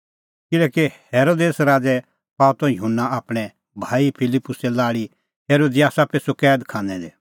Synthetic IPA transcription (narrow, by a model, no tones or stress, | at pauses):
kɪlɛːkeheːɾoːd̪eːsɾaːd͡zɛ | paːt̪ɔ̃jʊɦʊnːaaːpɽ̃ɛ | bʱaːipʰɪlɪpːʊsɛlaːɽi | ɦeːɾoːd̪ijaːsapeːsokɛːd̪kʰãːnɛd̪eː